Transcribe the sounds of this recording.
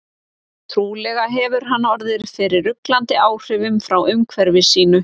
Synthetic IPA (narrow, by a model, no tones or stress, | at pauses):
t̪ʰɾuːlɛɣaɦɛvʏɾ̥ɦanːɔɾðɪɾ̥fɪɾɪɾʏklant̪ɪaːwr̥ɪvʏmfɾawʏmkʰvɛɾvɪsiːnʏ